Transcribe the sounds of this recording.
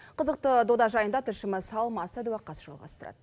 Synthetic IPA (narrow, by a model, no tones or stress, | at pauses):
qʰəzəq̚t̪əd̪od̪ɑʒɑjənd̪ɑt̪ʰɪɾʃɪmɪsɑlˠmɑsɑd̪uwɑqːɑsʒ̥ɑ̰lˠʁɑ̰st̪əɾɑ̰d̪